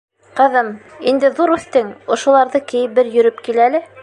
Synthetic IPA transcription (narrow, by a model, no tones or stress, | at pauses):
qɤ̆ðɤmind̪ɘðuɾʉθt̪ɘŋŏʃŏlˠɑɾðɤkɘ̆jɘpbɘɾjɵ̆ɾɵpkilælɘ